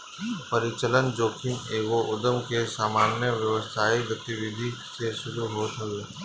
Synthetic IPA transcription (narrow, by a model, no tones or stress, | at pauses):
pɐɾɪt͡ʃələnd͡ʒoːkʰɪŋeːɡoʔʊd̪əmkesaːmaːnjəʋjəʋəst̪ʰaːiɡət̪iʋɪd̪ʱiseʃʊɾuɦoːt̪ɦɐɡeː